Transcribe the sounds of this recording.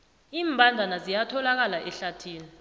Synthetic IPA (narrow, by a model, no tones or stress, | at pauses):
iːmbʱandʱanazijatʰɔlak̬alaʔɛɬatʰiːlɛ